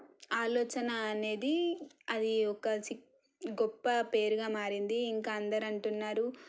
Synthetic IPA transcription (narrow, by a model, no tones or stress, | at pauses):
aːlɔːt͡ʃɐnɐːne̞ːd̪iɐd̪iɔkɐsi | ɡɔpːɐpe̞ːɾuɡaːmaːɾind̪iːŋkaːɐnd̪ɐɾɐɳʈunːaːɾu